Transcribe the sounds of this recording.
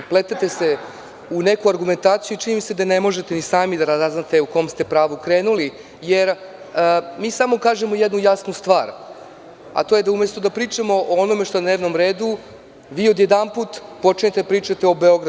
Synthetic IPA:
plet̪et̪e̞se̞ | unekuaɾɡume̞nt̪aːt̪sijuit͡ʃinimise̞d̪ane̞mo̞ʒe̞t̪enisaːmid̪aɾazaznat̪e̞uko̞mst̪e̞pɾaːʋukɾeːnuli | jeɾ | əmiːsamo̞kaːʒe̞mojed̪nujasnust̪ʋa̰ːɾ | a̰t̪o̞jed̪aumjest̪od̪apɾiːt͡ʂamo̞ʔoono̞me̞ʃt̪oed̪neːʋno̞mɾeːd̪u | ʋiːo̞d̪jed̪anpuːt̪po̞t͡ʃiɲet̪ed̪apɾiːt͡ʃat̪eo̞beo̞ɡɾ

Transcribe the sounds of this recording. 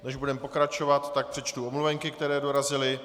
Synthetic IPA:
nɛʒbudɛmpo̞kɾat͡ʃo̞vat̪ːak̚pr̥ɛt͡ʃt̪uomluvɛŋkɪkt̪ɛɾɛːdo̞ɾazɪlɪ

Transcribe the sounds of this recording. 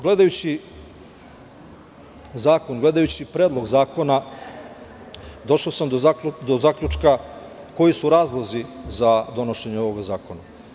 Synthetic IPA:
ɡle̞d̪ajut͡ɕi | zaːko̞nɡle̞d̪ajut͡ɕipɾeːd̪lˠo̞ɡzaːko̞na | d̪o̞ʃoːsamd̪od̪ozaːkʎʲut͡ʃka | ko̞jisuɾaːzlˠo̞zizad̪o̞no̞ʃe̞ɲeo̞ʋoɡazaːko̞na

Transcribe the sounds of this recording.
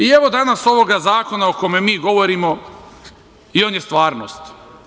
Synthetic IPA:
ie̞ʋo̞d̪anaso̞ʋo̞ɡazaːko̞naokomemiːɡo̞ʋoɾimo̞ | io̞ːnjest̪ʋaːɾno̰st̪

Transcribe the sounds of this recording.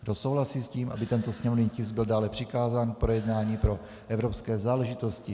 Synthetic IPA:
ɡdosowlasiːsciːmʔa̰bɪt̪ɛnt̪o̞sɲɛmovɲiːcɪsɡ̚bɪldaːlɛpr̥ɪkaːzaːnk̚pɾo̞jɛdnaːɲiːpɾo̞ | ʔɛvɾopskɛːzaːlɛʒɪt̪o̞scɪ

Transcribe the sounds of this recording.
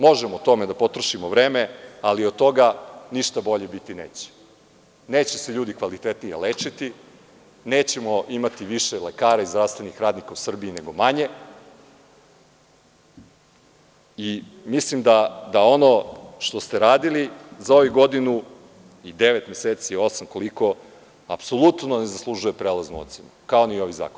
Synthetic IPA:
mo̞ʒemot̪o̞med̪apo̞t̪ɾoʃimoʋɾeːmealiod̪̚t̪o̞ɡaniʃt̪abo̞ʎe̞bit̪ineːt͡ɕe̥ | ne̞ːt͡ɕeseʎuːd̪ikʋalit̪et̪nijḛleːt͡ʃit̪i | neːt͡ɕe̞moʔimat̪iʋiʃelekaːɾaizd̪ɾast̪ʋe̞nixɾaːd̪nikausr̩biːneɡo̞maɲe̞ | imislimd̪ad̪ao̞no̞ʃt̪o̞st̪e̞ɾaːd̪ilizao̞ʋuɡo̞d̪inu | id̪e̞ʋet̪mjeseːt̪sio̞samko̞liko̞ | a̰pso̞lˠut̪no̞ne̞zaslˠuʒuje̞pɾeːlˠaznuot̪senukaonio̞ʋiza̰ːkon

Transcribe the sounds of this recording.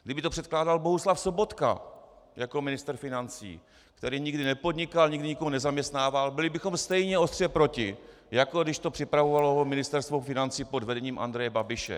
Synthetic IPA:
ɡdɪbɪt̪o̞pr̝̥ɛt̪̚klaːdalbo̞ɦuslafso̞bo̞t̪ka̰ | jako̞mɪnɪst̪ɾfɪnant͡sḭː | kt̪ɛɾiːɲɪɡdɪnɛpo̞dɲɪkalɲɪɡdɪɲikoɦonɛzamɲɛst̪naːvalbɪlɪbɪxo̞mst̪ɛjɲɛost̪r̥jɛpɾo̞cɪ | jako̞dɪʃt̪o̞pr̥ɪpɾavovaloɦomɪnɪst̪ɛɾst̪vofɪnant͡siːpo̞dvɛdɛɲiːmʔa̰ndɾɛjɛbabɪʃɛ̰

